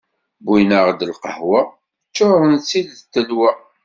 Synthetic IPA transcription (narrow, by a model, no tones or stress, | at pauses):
binəʁd̪əlqəhwa | t͡ʃːoɾənt͡sːilt̪ːəlwæ